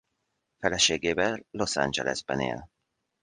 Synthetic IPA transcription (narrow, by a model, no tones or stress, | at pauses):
fɛlɛʃeːɡeːvɛlːosa̰nd͡ʒɛlɛzbɛnḛːl